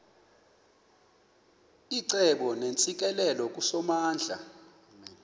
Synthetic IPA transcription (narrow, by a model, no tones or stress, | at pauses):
iǀɛɓɔnent͡sʼik̬ʼɛlɛlɔk̬ʼusɔmaːnd͡ɮʱa̰